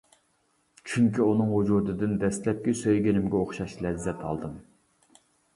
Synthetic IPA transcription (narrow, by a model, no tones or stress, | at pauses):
t͡ʃʰyŋkʲiunɨŋɦud͡ʒud̪ɨd̪ɨnd̪ɛst̪lɛp̚kʲɛsøjɡʲinɪmɡʲɛoχʃɑʃlɛzːɛt̪ʰɑ̰lˠd̪ɨm